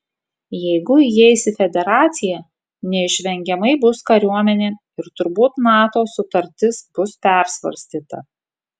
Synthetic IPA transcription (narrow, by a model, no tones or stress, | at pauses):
jɛɪɡʊjɛsʲɪfʲɛd̪ʲɛɾɑːt̪sʲɪjɛ | nʲɛɪʃʲʋʲɛŋʲɡʲɛmɐɪbʊskɐɾʲuɔmʲɛnʲeː | ɪɾt̪ʊɾbuːt̪nɑːt̪oːsʊt̪ɐɾʲt̪ʲɪsb̥ʊspʲɛˑɾsʋɐ̰ɾʲsʲt̪ʲiːt̪ɐ̰